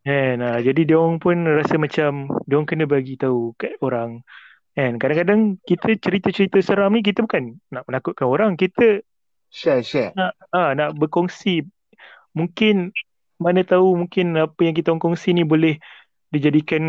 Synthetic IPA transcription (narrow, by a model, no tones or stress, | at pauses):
ɛnad͡ʒadideɔŋpʊnrasəmãt͡ʃamdeɔŋkənəbaɡit̪aukaoɾaŋ | ɛnkadaŋkadaŋkit̪ʰət͡ʃəɾit̪ət͡ʃəɾit̪əsəɾamnĩk̬it̪əbukanːaʔmənakʊʔ̪̚kanoɾaŋkit̪ə | ʃɛʃɛnaʔ | anaʔbəkɔŋsi | muŋkɪn | manət̪aumuŋkɪnapəjaŋk̬it̪aɔŋkɔŋsinĩbolɛh | did͡ʒadikan